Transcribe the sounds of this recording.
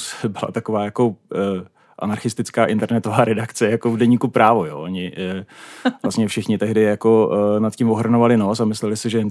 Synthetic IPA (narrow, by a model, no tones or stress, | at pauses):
sbɪla̰t̪akovaːjako̞ | ʔa̰naɾxɪst̪ɪt͡skaːʔɪnt̪ɛɾnɛt̪ovaːɾɛdakt͡sɛjakovdɛɲiːkupɾaːvojo̰ːʔoɲɪ | vlast̪ɲɛfʃɪxɲɪt̪ɛɦdɪjako̞nat̪cɪmvoɦr̩novalɪno̞t͡samɪslɛlɪsɛʒɛ